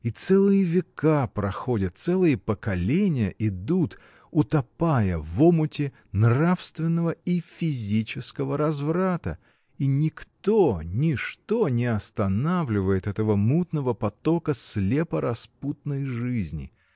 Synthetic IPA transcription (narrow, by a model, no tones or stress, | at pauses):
it̪sɛlˠɨjəvʲɪkapɾɐxodʲət̪̚t̪sɛlˠɨjəpəkɐlʲenʲɪjəʔɪd̪ut̪ | ʊt̪ɐpajəvomʊtʲɪ | nrafst̪vʲɪnːəvəifʲɪzʲit͡ɕɪskəvəɾɐzvɾat̪ə | inʲɪkt̪onʲɪʂt̪onʲɪɐst̪ɐnavlʲɪvəjɪt̪ɛt̪əvəmut̪nəvəpɐt̪o̞kəslʲe̞pəɾɐsput̪nəjʐɨzʲnʲɪ̰